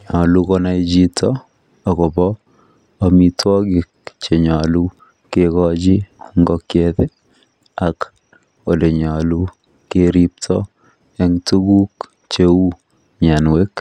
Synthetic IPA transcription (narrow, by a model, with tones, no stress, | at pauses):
ɲɔ˨lukɔnaid͡ʒi˦tʰɔ | a˨kɔ˨bɔː | mi˦twɔ˦ɡɪ˨k̚t͡ʃe˨ɲa˨lu˦ | kekɔd͡ʒi˦ŋɡɔkjetɛ˦ | ak | o˨le˨ɲa˨lu | keɾip̚tʰɔ | ɛŋtuɡu˦k | t͡ʃeu˦ | ɲa˨nwe˦k